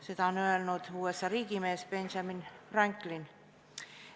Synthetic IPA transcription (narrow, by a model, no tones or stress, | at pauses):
set̪æonøelnut̪uːesːɑriːɡimeːsbenʃɑminræŋkːlin